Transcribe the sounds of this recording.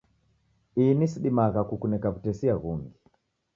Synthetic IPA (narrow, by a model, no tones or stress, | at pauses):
inisiɗimaɣakukunɛkaβutɛsiaɣuŋɡi